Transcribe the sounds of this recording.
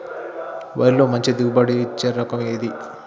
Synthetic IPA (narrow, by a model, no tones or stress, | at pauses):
ʋɐ̰ːɾilo̞ːmɐɲt͡ʃid̪iɡubɐɽit͡ʃːeɾɐkɐmeːd̪i